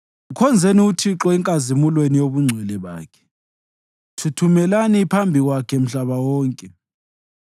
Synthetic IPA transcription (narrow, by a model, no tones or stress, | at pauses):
ukʰɔnd͡zʱeniutʰiǁɔɛŋkʼazimulwenijoβuŋ͡ǀʱɛlɛβa̰ːkʰɛ̥ | tʰutʰumɛlanipʰambʱiɣwakʰɛm̩ɬaβawɔːŋkʼɛ